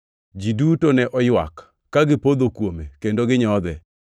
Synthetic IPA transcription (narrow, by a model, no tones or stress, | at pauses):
d͡ʒidutonɛʔɔjwa̰kː | aɡɪpod̪okwomekendoɡɪɲɔd̪ɛ